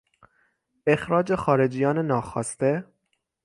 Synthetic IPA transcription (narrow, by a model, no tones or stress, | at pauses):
e̞xɾɒːd͡ʒe̞xɒːɾe̞d͡ʒijɒːnenɒːxɒːst̪e